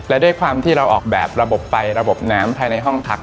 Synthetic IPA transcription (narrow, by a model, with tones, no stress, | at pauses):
lɛ˦˥duː˥˩jkʰwaː˧mt̪ʰiː˥˩ɾa˧wʔɔː˨˩k̚bɛː˨˩p̚ɾa˧bo˨˩p̚fa˧jɾa˧bo˨˩p̚naː˦˥mpʰaː˧jna˧jɦɔ˥˩ŋt̪ʰa˦˥k̚